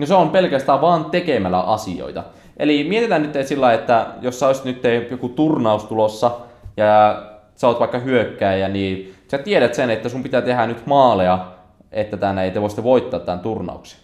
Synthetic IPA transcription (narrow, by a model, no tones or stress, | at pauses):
noseompelkæst̪æːʋʋɑːnt̪ekemælæ̰ʔɑsio̰it̪ɑ | ʔelimiet̪it̪ænnyt̪ːesilːɑiet̪ːæjosːɑosi̥t̪nyt̪ːejokut̪urnɑust̪ulosːɑjɑ | sɑoːt̪ʋɑikːɑhyøkːæːjæniːsæt̪ieɾæt̪senet̪ːæsumpit̪æːt̪ehænyt̪mɑːleɑ | et̪ːæt̪ænːeit̪eʋoˑist̪eʋoit̪ːɑːt̪ːænt̪urnɑ̰uksi̥